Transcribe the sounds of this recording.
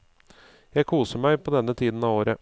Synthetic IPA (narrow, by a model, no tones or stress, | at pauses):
jæɪkʰuːsəɾmæɪpʰɔd̪ɛnːət̪ʰiːd̪n̩ɑːʋoːɾə